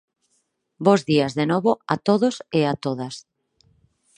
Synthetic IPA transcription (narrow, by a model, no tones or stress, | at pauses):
bozðiazðenoβoat̪oðoseat̪oðas